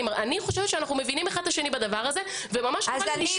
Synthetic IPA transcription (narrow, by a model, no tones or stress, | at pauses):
maniχoʃevet̪ʃeanaχnume̞vinimeχad̪̚taʃe̞nibad̪avaʁaze | vemamaʃa